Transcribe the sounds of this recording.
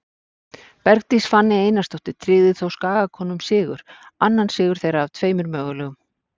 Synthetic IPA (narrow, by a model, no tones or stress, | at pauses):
pɛɾk̚t̪isfanːɪeːjnast̪ɔht̪ɪɾ̥t̪ʰɾɪːðɪθawskaːɣakʰɔːnʏmsɪːɣʏɾ̥anːansɪːɣʏɾ̥θejɾaːvt̪ʰveːjmʏɾmœːɣʏlœːɣʏm